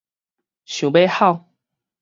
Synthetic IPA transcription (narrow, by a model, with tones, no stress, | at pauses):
ɕju˨˩pe˥˧xɑ˥˨ʊ